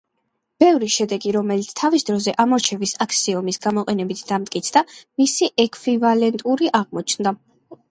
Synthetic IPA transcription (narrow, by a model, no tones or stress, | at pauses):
b̥ɛvɾiʃɛd̪ɛɡiɾɔmɛlit̪sʰt̪ʰavisd̪ɾɔzɛʔamɔɾt͡ʃʰɛvisakʰsiɔmisɡamɔqʼɛnɛbit̪ʰd̪̥amt̪ʼkʼit̪sʰd̪amisiʔɛkʰvivalɛnt̪ʼuɾiʔaʁmɔt͡ʃʰnd̪a